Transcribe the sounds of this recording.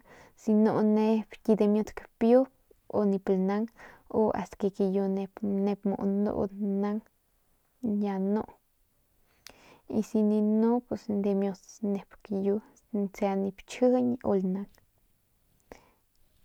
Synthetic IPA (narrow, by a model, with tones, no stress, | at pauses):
si˧no˧ne˧bki˧d̪e˧mjo˧d̪kpjo˦p | o˧ni˧plna˦ŋo˧ʔa̰˨st̪ke˧ke˧jo˧ne˧pne˧pmo̰˨ʔnd̪o̰˧˦na˦ŋ | ja˧no˦ʔ | i˧si˧ni˧no˦pwe˧snd̪e˧mjo˧d̪ne˨˧pkju˧ | nt͡sa˧ni˧pt͡ʃɨ˦ɲo̰˧lna˧ŋ